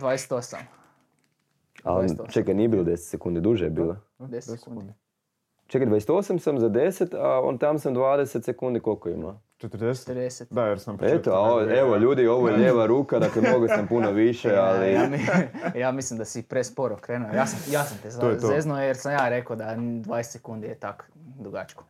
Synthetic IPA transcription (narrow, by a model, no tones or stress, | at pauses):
d̪ʋaːjese̥t̪osa̰m | a̰ont͡ʃekaniebilod̪eset̪sekund̪id̪uʒejebiːla | d̪u | t͡ʃekd̪ʋajese̥t̪o̞samsamzad̪eset̪ao̰nt̪amsamd̪ʋaːd̪eset̪sekund̪ikolkoḭma̰ | t͡ʃet̪əɾd̪e̥t̪ɾd̪eset̪d̪ajeɾsampet̪oaoeʋoʎuːd̪io̞ʋojeʎeːʋaɾuːkad̪aklemnoɡosampunoʋiʃealimijaːmislimd̪asipɾespoɾokɾeːnuojaːsamjaːsamt̪ezozeznojeɾsamjaːɾekod̪ad̪ʋajest̪sekund̪ijet̪ak | d̪ɾuɡat͡ʃko̥